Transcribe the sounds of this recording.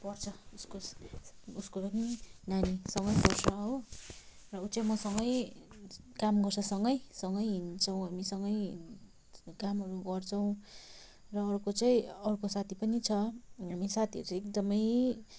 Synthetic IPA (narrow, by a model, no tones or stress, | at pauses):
pʌrt͡sʰʌusko | uskopʌninanisʌŋɡʌjpʌrsʌɦo | rʌut͡saĩmʌsʌŋɡʌj | kamɡʌrt͡sʰʌsʌŋɡʌjsʌŋɡʌjɦint͡sʰʌw̃ɦamisʌŋɡʌj | kamɦʌɾuɡʌrt͡sʰʌw̃ | rʌːɾukot͡saĩʌɾukosat̪ʰipʌnit͡sʰʌɦamisat̪ʰiʌ̰ɾut͡saekd̪ʌmʌj